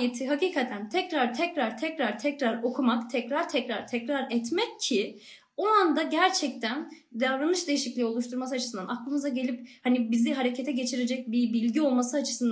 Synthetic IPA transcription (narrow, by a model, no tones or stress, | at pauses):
jet̪ʰiɦakiːkʰat̪ʰænt̪ʰɛcɾaɾt̪ʰɛcɾaɾt̪ʰɛcɾaɾt̪ʰɛcɾaɾo̞kʰumakt̪ʰɛcɾaɾt̪ʰɛcɾaɾ̥t̪ʰɛcɾaɾɛt̪mɛcʰːi | o̞and̪aɟæɾt͡ʃʰɛc̚t̪ʰæn | d̪avɾanɯʃd̪e̞jiʃiclʲijo̞lˠuʃt̪ʰuɾmasɯat͡ʃʰɯsɯnd̪anaklˠɯmɯzaɟe̞lʲip̚hanibiziɦaɾecʰet̪ʰɛɟe̞t͡ʃʰiɾed͡ʒɛc̚bibilʲɟio̞lˠmasɯat͡ʃʰɯ̥sɯnd̪